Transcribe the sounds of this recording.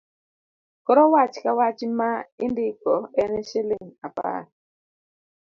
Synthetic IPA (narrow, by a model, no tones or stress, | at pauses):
kɔɾɔwat͡ʃkawat͡ʃmaindɪkɔɛnɛʃeliŋapa̰t